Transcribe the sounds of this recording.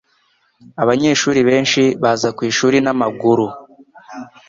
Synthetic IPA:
aβaɲe̞ːʃuːɾiβe̞ːnʃiβazakwiːʃuːɾinamaɡuɾu

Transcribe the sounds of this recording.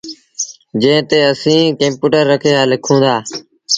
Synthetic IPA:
d͡ʒẽːt̪eːəsĩːkə̃mpuːʈəɾːəkʰeːaːlɪkʰũːnd̪aː

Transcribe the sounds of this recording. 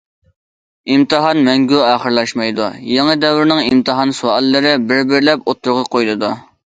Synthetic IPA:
imt̪ʰɨɦɑnmɛŋɡʲuɑːχəɾlˠɑʃmɑjd̪ujeŋəd̪ɛwɾɪnɪŋimt̪ʰɨɦɑnsuɑlˠːɨɾɪbɪɾbɪɾlɛpot̪ʰːʊɾʁɑqʰojlˠɨd̪u

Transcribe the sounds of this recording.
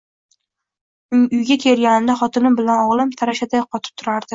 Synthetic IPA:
ʊʊjɡʲakʲʰe̞lɡʲanɪnd̪aχɒt̪ʰɪnɪmbɪlanɒʁlˠɪmt̪ʰaɾaʃad̪ajqʰɒt̪ʰɪ̥p̚t̪ʰʊɾaɾd̪̥ɪ

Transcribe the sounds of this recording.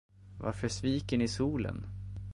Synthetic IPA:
va̰ɾfœʂviːkəɳɪsuːlə̰n

